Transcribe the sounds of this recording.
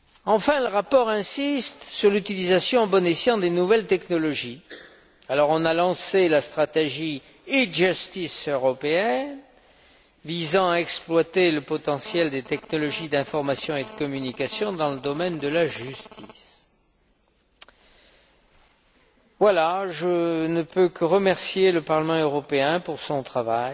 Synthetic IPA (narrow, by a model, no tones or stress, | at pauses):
ɑ̃fɛ̃ləʁapɔʁɛ̃sist̪syʁlyt̪ilizasjɔ̃bɔnesjɑ̃d̪enuvɛlt̪ɛknɔlɔʒi | alɔʁɔ̃nalɑ̃selast̪χat̪eʒi | iʒyst̪isøʁɔpeɛn | vizɑ̃aɛksplwat̪eləpɔt̪ɑ̃sjɛld̪et̪ɛknɔlɔʒid̪ɛ̃fɔʁmasjɔ̃ed̪əkɔmynikasjɔ̃d̪ɑ̃ləd̪ɔmɛnd̪əlaʒyst̪ʰḭs | vwalaʒənəpøkəʁəmɛʁsjeləpaʁləmɑ̃øʁɔpeɛ̃puʁsɔ̃t̪χavaj